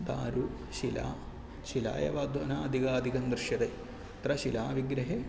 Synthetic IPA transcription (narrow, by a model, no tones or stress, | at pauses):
d̪a̰ːɾu | ʃila̰ː | ʃila̰ːjɐ̰ʋaːd̪ʱʋɐnaːɐd̪ʱiɡaːɐd̪ʱikɐnd̪ɾɨʃjɐɾe | t̪ɾɐʃilaːʋiɡɾɐɦeː